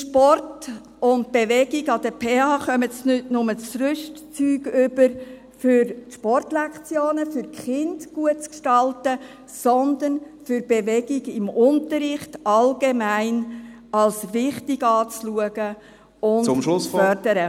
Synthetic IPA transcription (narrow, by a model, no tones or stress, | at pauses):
ʃpɔrt | ʊnt̚b̥eʋɛɡɪɡɑd̥̪əpʰeːɑːχœmətsnʏtnʊmət͡sɾʏʃtt͡syːɡʏbəɾ | fʏɾʃpɔrtlɛkt͡sjoːnəfʏɾkχɪndɡ̥uət͡skʃtɑltə | sɔnd̪ənfʏɾb̥eʋɛɡ̥ɪɡɪmʊnt̪əɾɪχtʔɑlɡemæɪn | ɑlsʋɪχtɪɡɑːt͡sluəɡ̥ə | ʊnmʊfœɾdəɾə